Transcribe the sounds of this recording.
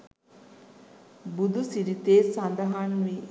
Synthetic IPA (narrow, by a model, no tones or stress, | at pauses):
bud̪usiɾit̪eːsand̪ɐɦanʋi